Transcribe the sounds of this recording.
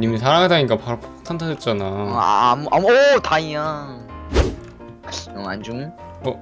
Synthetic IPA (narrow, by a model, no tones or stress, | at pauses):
ɲimisʰaɾaŋɦadaɲik͈apaɾopʰḁk̚tʰantʰaet̚t͡ɕ͈anamuʔamuotaia | oa̰nd͡ʑuŋɯ | ʌ